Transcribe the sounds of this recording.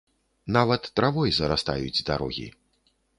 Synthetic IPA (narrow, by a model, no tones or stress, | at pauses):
navɐt̪ːɾavɔjzɐɾast̪a̰jud͡zʲd̪a̰ɾɔ̰ɣʲḭ